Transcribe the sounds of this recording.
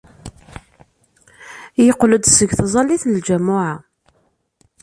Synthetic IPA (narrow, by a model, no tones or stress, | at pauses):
jəqləd̪səɡθzˤɑlːiθnəld͡ʒæmːʊʕa